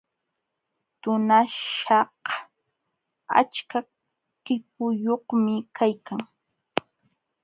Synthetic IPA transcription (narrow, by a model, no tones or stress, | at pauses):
t̪ʊnaʃɑh | a̰t͡ʃka | kɪp̚ʊjohmɪkajkaŋ